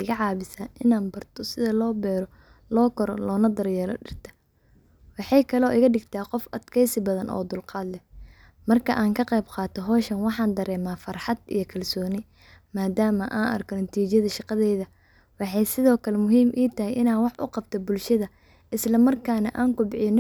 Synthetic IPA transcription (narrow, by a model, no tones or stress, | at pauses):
ɪɣɐʕɑːβɪsaːʔɪnaːnbɐrt̪ʰɔsɪðɐlɔːbɛːɾɔ | lɔːkʰɔɾɔ̰lɔːnɐd̪ɐɾjɛːlɔ̰ɖɪrt̪ʰɐ̥ | wɑħɑjkʰɐlɔːʔɪɣɐɖɪɡt̪ʰaːqɔfɐd̪kʰɛjsɪbɐðɐnʔɔ̰ːd̪ʊlqɑːd̪lɛ | mɐrkʰɐʔaːŋkʰɐqɛjbqɑːt̪ʰɔɦɔːʃɐnwɑħɑːnd̪ɐɾɛːmaːfɑrħɑd̪ḭjɔkʰɐlsɔːnɪ | maːd̪aːmɐʔaːnʔɐ̰rkʰɔnɐt̪ʰiːt͡ʃjɐðɐʃɑqɑðɛːðɐ | wɑħɑjsɪðɔːkʰɐlɛmʊɦiːmʔiːt̪ʰɐɦɛjʔɪnaːwɑħʔʊqɑb̚t̪ʰɔbʊlʃɐðɐ | ʔɪslɐmɐrkʰaːnɐ̰ʔaːŋkʊbɪħɪn